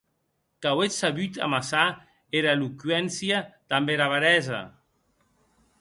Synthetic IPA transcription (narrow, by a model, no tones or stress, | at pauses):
kawesaβyt̪a̰masa | eɾaelukɥɛnsjad̪̥ambeɾaβaɾɛza̰